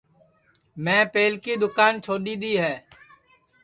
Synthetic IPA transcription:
mɛ̃ːpeːlkiːd̪ʊkaːnt͡ʃʰoːɗiːd̪iːɦɛː

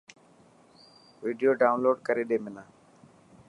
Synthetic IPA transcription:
ʋiːɖijoːɖaːʊnloːɖkəɾeːɗeːmɪnãː

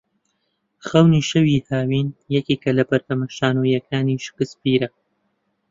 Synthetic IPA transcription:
xɐwniʃɐwihaːwiːnjɐkiːkɐlɐpɐɾt̪ɐmɐʃaːnujɐkʰaːniʃkɨspiːɾɐ

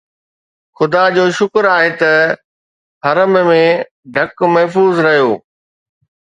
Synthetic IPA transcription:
xʊd̪ad͡ʑoːʃʊkɾaːɦet̪ɐ | ɦɐɾəmmẽ | ɖʱɐkmɐɦfuːzɾɐɦijoː

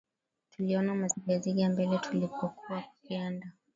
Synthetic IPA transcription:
tuliɔnamaziɡaziɡambɛlɛtʰulipɔkuwakpianda

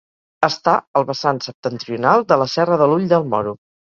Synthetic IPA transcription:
əst̪aəlˠβəsansəp̚t̪ənt̪ɾiunalˠd̪ələsɛrəðəluʎd̪əlˠmɔɾu

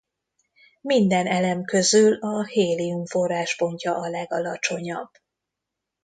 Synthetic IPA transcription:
mind̪ɛnɛlɛmkø̞zylɒheːliumfo̞rːaːʃpo̞ɲcɒʔɒlɛɡɒlɒt͡ʃo̞ɲɒbː

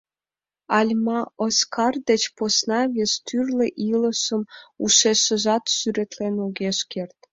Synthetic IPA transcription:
ɑlʲmɑoskʰɑrd̪et͡ɕposnɑβʲest̪yrleʔiləʃəmuʃeʃə̆ʒɑt̪syɾet̪lenoɣeʃkert̪̚

